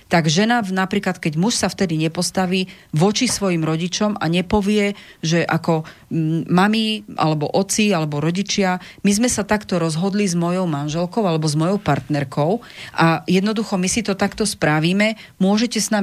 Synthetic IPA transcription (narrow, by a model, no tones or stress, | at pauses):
t̪aɡʒɛnanapɾiːklat̪kɛɟmuʃsaft̪ɛd̪iɲɛpɔst̪aʋiː | ʋɔt͡ʃisʋɔjimɾɔɟit͡ʃɔmaɲɛpɔʋɪɛ | ʒɛʔakɔ | mamiʔa̰lɛbɔ̰ʔɔt͡sialɛbɔɾɔɟit͡ʃɪa | mizmɛsat̪akt̪ɔɾɔzɦɔd̪lizmɔjɔʊmanʒɛlkɔʊalɛbɔzmɔjɔʊpaɾt̪nɛɾkɔʊ | ʔajɛd̪nɔd̪uxɔmisit̪ɔt̪akt̪ɔspɾaʋiːmɛ | mʊɔʒɛcɛsna